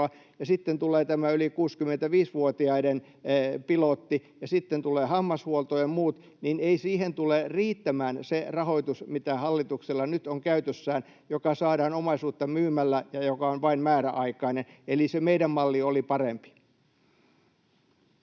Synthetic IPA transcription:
ɑ | jɑsit̪ːent̪uleːt̪æmæylikuːskymːent̪æʋiːsʋuot̪iɑiden | pilot̪ːijɑsit̪ːent̪uleːhɑmːɑshuolt̪ojemmuːt̪ | nineisiːhent̪uleriːt̪ːæmæːnserɑhoit̪usmit̪æhɑlːit̪ukselːɑnyt̪oŋkæyt̪øsːæːn | jokɑsɑːɾɑːnomɑisuːt̪ːɑmyːmælːæjɑjokɑonʋɑimmæːɾæʔɑikɑinenelisemeidæmmɑlːiolipɑrempi̥

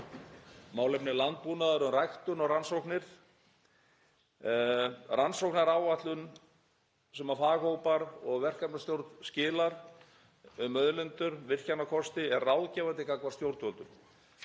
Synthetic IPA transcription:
maːwlɛpnɪlant̪̚punaðaɾʏmrajxt̪ʏnɔɣransowknɪɾ̥ | ransowknaɾaːwvat̪lʏn | sɛmaɾfaːɣhowpaɾɔɣvɛr̥kapnast̪jowɾt̪scɪːlaɾ | ʏmœðlʏnt̪ʏɾvɪr̥canakʰɔst̪ɪɛɾrawðcɛːvant̪ɪkakvaɾ̥st̪jowɾt̪vœlt̪ʏm

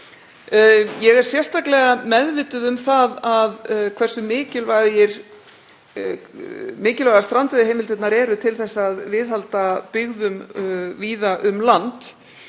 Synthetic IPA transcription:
jɛɣɛɾ̥sjɛr̥t̪aklɛɣamɛðvɪt̪ʏðʏmθaðaðkʰvɛr̥sʏmɪːcɪlvaðjɪɾ̥ | mɪːcɪlvajðast̪ɾant̪ɛðɪɦeːjmɪlt̪ɪt̪naɾɛːɾʏt̪ʰɪlθɛsːaːðvɪðhalt̪apɪɣðʏmviːðaʔʏmlant̪

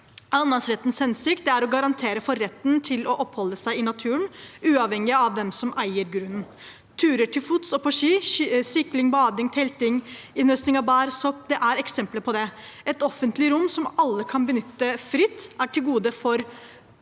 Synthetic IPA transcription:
ɑnd̪ɑŋsɾɛt̪ːn̩shɛnsɪk̚t̪̚d̪ɛæɾɔɡɑɾɑnt̪ʰeːɾəfɔɾɛt̪ːnt̪ʰɪlɔʔɔpːhɔlːəsæɪɪnɑt̪ʰʉːəɳʉːɑʋhɛŋːɪɑʋːɛmsɔmʔæɪəɾɡɾʉnn | t̪ʰʉːɾəʈʰɪlfuːt̪sɔpɔʂiːsʏklɪŋbɑːd̪ɪŋt̪ʰɛlt̪ɪŋɪnøsnɪŋɑʋbæːɾsɔp̚d̪ɛʔæɾɛksɛmpləpʰɔd̪ɛɛt̪ɔfənt̪lɪɾʊmːsɔmɑlːəkʰɑnbənʏt̪ːəfɾɪt̪ːæʈʰɪlɡuːd̪əfɔɾ

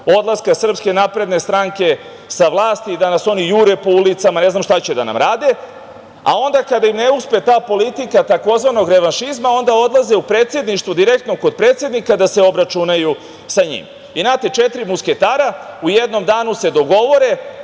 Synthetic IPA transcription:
o̞d̪lˠaskasr̩pske̞napɾe̞d̪ne̞st̪ɾaŋke̞ | saʋlˠaːst̪id̪anaso̞nijuɾuepo̞ulit̪samane̞znamʃt̪at͡ɕed̪a̰na̰mɾaːd̪e̞ | a̰o̞nd̪akad̪aimneuspe̞t̪aːpo̞lit̪ikat̪ako̞zʋano̞ɡɾe̞ʋanʃizmao̞nd̪ao̞d̪lˠazeupɾeːt̪sje̞d̪niʃt̪vʋod̪iɾekt̪noko̞d̪̚pɾet̪sje̞d̪nikad̪ase̞o̞bɾat͡ʃunaju | saɲḭm | inaːt̪e̞t͡ʃet̪ɾimuske̞t̪aːɾaujed̪no̞md̪aːnuse̞d̪o̞ɡo̞ʋo̞ɾe̞

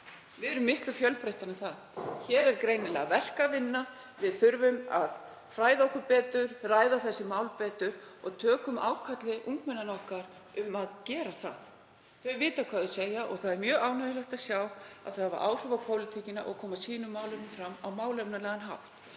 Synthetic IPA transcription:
vɪðɛɾʏmːɪhk̪lʏfjœlpɾejht̪aɾnɪnθaðçɛːɾɛɾkɾejnɪlɛ̰ɣavɛr̥kavɪnːa | vɪðθʏɾvʏma̰ð | fɾaːjðaɔhkʏɾpɛːt̪ʏɾraːjðaθɛsːɪmaːwlpɛːt̪ʏɾ̥ɔɣt̪ʰœːkʏma̰ːwkʰat̪lɪʔuŋkmɛnːanɔhkaɾ | ʏmaðcɛːɾaθa̰ð | θœjvɪːt̪akʰvaːðʏsejaʔɔ̰ɣθaðɛɾmjœːɣaːwnœjʏlɛht̪aðsjawa̰ðθaava̰ʔaːwr̥ʏvapʰowlɪt̪ʰicɪna̰ʔɔ̰ɣkʰɔːmasiːnʏmaːwlʏnfɾamːawmaːwlɛpnalɛːɣanɦa̰wft̪

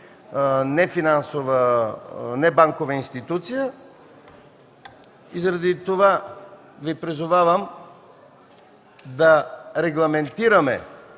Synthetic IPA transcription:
nɛfinansovə | nɛbaŋkovəinst̪it̪ut̪sijə | izɾɐd̪it̪ova | vipɾizʊvavəm | d̪ɐɾɛɡlˠɐmɛnt̪iɾɐmɛ̰

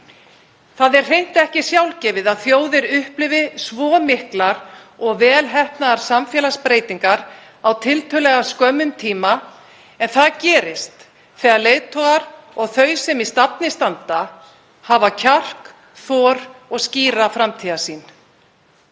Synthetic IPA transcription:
θaðɛɾ̥r̥ejn̥t̪ɛhcɪsjawlcɛːvɪðaðθjoːwðɪɾʏhplɪvɪsvɔːmɪhklaɾɔɣvɛːlɦɛhpnaðaɾ̥samfjɛːlaspɾeːjt̪iŋkaɾ | awt̪ʰɪlt̪ʰœlɛɣaskœmːʏmt̪ʰiːma | ɛnθaðcɛːɾɪst̪ | θɛːɣaðleːjðt̪ʰɔɣaɾɔɣθœɥsɛmist̪apnɪst̪ant̪a | havacʰar̥k | θɔːɾɔɣsciːɾafɾamt̪ʰiːðasiːn

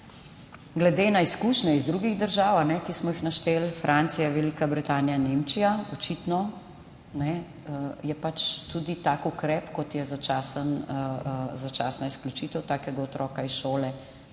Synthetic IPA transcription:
ɡlɛd̪enaiskuʃnɛizd̪ɾuɡiɣd̪əɾʒaːwanɛkismɔixnaʃt̪eːlfɾʔant̪sijaʋɛlikabɾit̪aːnijanemt͡ʃijaɔt͡ʃit̪nɔ | nɛ | jɛpat͡ʃt̪ud̪it̪aːkukɾɛpkɔt̪jɛzat͡ʃaːsən | zat͡ʃaːsnaisklʲut͡ʃiːt̪əwt̪aːkɛɡaɔt̪ɾʔɔːkaisʃoːlɛ

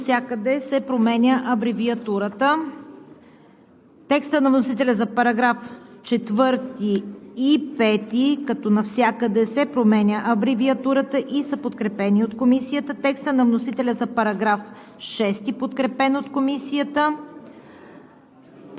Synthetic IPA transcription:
nfsʲjakəd̪ɛsɛpɾomɛnʲəʔɐbɾiviɐt̪uɾət̪ə | t̪ɛkst̪ənɐvnosit̪ɛlʲəzɐpɐɾɐɡɾaft͡ʃɛt̪vɤɾt̪iː | pɛt̪ikɐt̪ɔnɐfsʲjakəd̪ɛsɛpɾomɛnʲəʔɐbɾiviɐt̪uɾət̪əʔisəpot̪kɾɛpɛniot̪komisijət̪ət̪ɛkst̪ənɐvnosit̪ɛlʲəzɐpɐɾɐɡɾaf | ʃɛst̪ipot̪kɾɛpɛnot̪komisiət̪ə

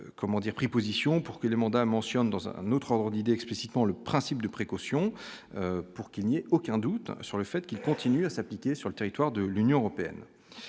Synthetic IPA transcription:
kɔmɑ̃d̪iʁpχipozisjɔ̃puʁkəlemɑ̃d̪amɑ̃sjɔnd̪ɑ̃zɛ̰̃not̪χɔʁd̪ʁəd̪id̪eɛksplisi̥t̪mɑ̃ləpχɛ̃sip̚d̪əpχekɔsjɔ̃øpuʁkilnieokʲɛ̃d̪ut̪syʁləfɛt̪kʲilkɔ̃t̪ʰinyasaplikʲesyʁlət̪eʁit̪waʁd̪əlynjɔ̃əʁɔpeɛ̰n

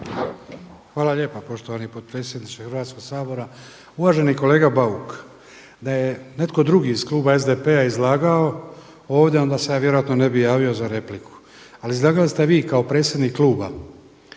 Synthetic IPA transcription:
xʋaːlaʎe̞ːpapo̞ʃt̪oʋanipo̞d̪̚pɾe̞ːt̪sje̞d̪nit͡ʃ̪exr̩ʋaːt̪sko̞ɡsaːbo̞ɾa | uʋaːʒe̞niko̞le̞ːɡabauk | d̪ajene̞t̪ko̞d̪ɾuɡiiz̥klˠuːbae̞zd̪epe̞aizlˠaːɡao̞ | o̞ːʋd̪ʲjeo̞nd̪aːse̞jaːʋjeɾojat̪no̞ne̞bijaːʋio̞zaɾe̞pliku̥ | aliizlˠaːɡalist̪e̞ʋiːkao̞pɾe̞ːt̪sʲjed̪nikkːlˠuːba

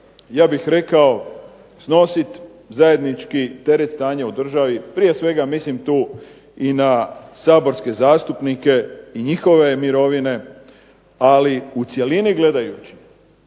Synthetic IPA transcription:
jaːbixɾe̞kao̞ | sno̞sit̪ | zaje̞d̪nit͡ʃkit̪e̞ɾet̪st̪aːɲaud̪r̩ʒaʋipɾije̞sʋe̞ɡamislimt̪uː | inasaːbo̞ɾske̞zaːst̪upnike̞iɲixo̞ʋe̞miɾo̞ʋine̞ | aliut̪sje̞liniɡle̞d̪ajut͡ɕi̥

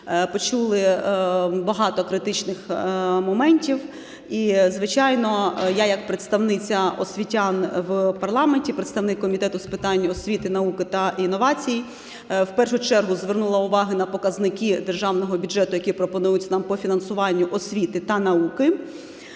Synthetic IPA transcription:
pɔt͡ʃulˠɪ | bɐɦɑt̪ɔkɾɪt̪ɪt͡ʃnɪxmɔmɛnʲtʲiw | izʋɪt͡ʃɑjnɔjajɐk̚pɾet̪st̪ɐwnɪt͡sʲɐʔɔsʲʋʲitʲanwpɐrlˠɑmenʲtʲipɾet̪st̪ɐʋnɪkːɔmʲit̪ɛt̪ʊspɪt̪ɑnʲːiɔsʲʋʲit̪ɪnɐukɪt̪ɐʔinːɔʋɑt͡sʲiji | wpɛrʃʊt͡ʃɛrɦʊzʋernulˠɐʊʋɑɦɪnɐpɔkɐznɪkʲid̪erʒɑwnɔɦɔbʲʊdd͡ʒɛt̪ʊjɐkʲipɾɔpɔnujʊt͡sʲnɑmpɔfʲinɐnsʊʋɑnʲːʊʔɔsʲʋʲit̪ɪt̪ɐnɐukɪ

